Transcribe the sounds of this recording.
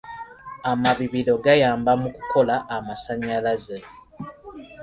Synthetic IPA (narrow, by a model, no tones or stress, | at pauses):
amaβiβilo̞ɡajaːmbamuku̥ko̞laʔːmasaɲːalaze